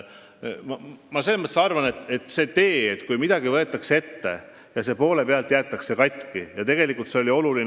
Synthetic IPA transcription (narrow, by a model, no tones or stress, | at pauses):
mɑmɑseːsmət̪ːesɑrvɑne̞t̪e̞t̪se̞ːt̪e̞ːet̪kujmid̪̥ɑɡ̥ivɤ̞e̞t̪ːˑɑksee̞t̪ːe̞̰ | jɑse̞po̞ːle̞peɑlt̪ˑjæːt̪ːˑɑkse̞kɑjt̪ʲˑkijɑt̪e̞ɡ̥e̞likˑult̪se̞o̞lʲio̞lulin